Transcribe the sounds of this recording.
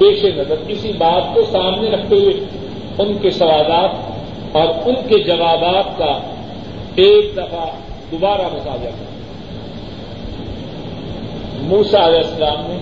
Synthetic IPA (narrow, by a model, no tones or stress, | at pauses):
beːʃenɐzəɾɪsibaːt̪̚kosaːmneɾɐk̚ʰt̪eɦʊe | ʊnkesɐʋaːlaːt̪̚ | ɔːɾʊnked͡ʒɐʋaːbaːt̪̚ka | eːk̚d̪ɐfa | d̪ʊbaːɾamʊt̪aːbɪak̪ʰɐ̰ | muːsaɐlɛːsːɐlaːmne